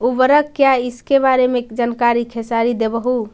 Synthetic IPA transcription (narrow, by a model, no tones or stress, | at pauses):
ubəɾəkːjaiskebaɾemed͡ʒənkaɾikʰesaɾid̪ebəɦu